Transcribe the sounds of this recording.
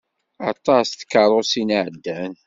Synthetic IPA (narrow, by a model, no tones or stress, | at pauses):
ɑ̰t̪ˤɑsθə̥kːɑɾˤosinʕəd̪ːæn